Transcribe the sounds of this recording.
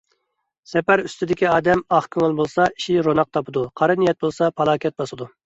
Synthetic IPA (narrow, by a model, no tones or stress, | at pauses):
sɛpæɾyst̪ɪd̪ɪkʲiɑːd̪ɛmɑχkʲʰøŋʊlˠbolˠsɑi̥ʃiɾonɑq̚t̪ʰɑpʰɨd̪uqʰɑɾɨnijɛt̪̚bolˠsɑpʰɑlˠɑːkʲʰɛt̪̚bɑsɨd̪u